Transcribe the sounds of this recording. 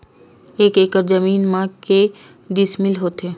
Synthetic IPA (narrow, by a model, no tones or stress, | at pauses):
ekekəɾd͡ʒəmiːnmãke | d̪ismilɦot̪e